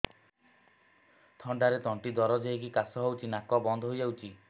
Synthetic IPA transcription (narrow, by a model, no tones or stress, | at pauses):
t̪ʰɔɳɖaɾet̪ɔɳʈid̪ɔɾɔd͡ʒeɦekikasɔɦawt͡ʃʰinakɔbɔnd̪ʱɔɦojawt͡ʃʰi